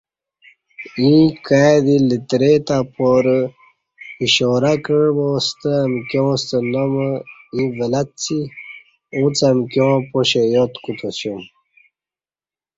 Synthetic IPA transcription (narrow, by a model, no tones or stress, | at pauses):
ĩkad̪ilit̪ɾet̪apoɾə | iɕoːɾakəɻbost̪əɐmkjõːst̪ənoməĩvelat̪̚t͡sʰi | ũt͡samkjõːpoɕejot̪kut̪ʰoɕjom